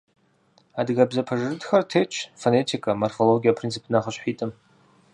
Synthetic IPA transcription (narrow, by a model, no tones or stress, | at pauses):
adɡabzapʰaʐrɨdxartʰejt͡ʃʷʰfone̞tʰikʰʼamarfo̞lo̞ɡʲijapʰrint͡sʰɨpʰnaχəʃħʷᶣitʼɨm